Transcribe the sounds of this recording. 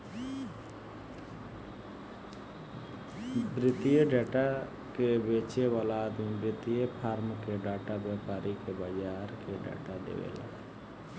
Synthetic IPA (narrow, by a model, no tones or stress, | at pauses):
bɾɪt̪ijeɖɛːʈa | kebeːt͡ʃeʋaːlad̪ĩbɾɪt̪ijepʰaːɾmkeɖaːʈabeːpaːɾikebad͡ʒaːɾkeɖɛ̰ːʈad̪ḛːʋḛːla̰ː